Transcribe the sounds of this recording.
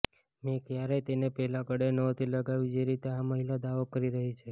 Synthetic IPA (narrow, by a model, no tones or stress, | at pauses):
mẽkjaɾet̪enepɛɦlakəɽenət̪ʰiləɡaʋid͡ʒeɾit̪eaməɦilad̪aʋokəɾiɾəɦit͡ʃʰe